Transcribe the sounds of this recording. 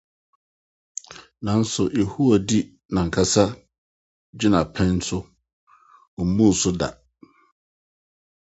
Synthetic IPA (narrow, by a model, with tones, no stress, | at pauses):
nã˨˦n̩˦sʊ˨je˨hu˦ɔ˨di˦ | nã˨ŋ̩˨kʰa˦sa˦ | d͡ʑɪ˦nã˨pʰɛ̃˦n̩˦sʊ˦ | ɔ˨m̩˦mũ˦˨sʊ˦da̰˨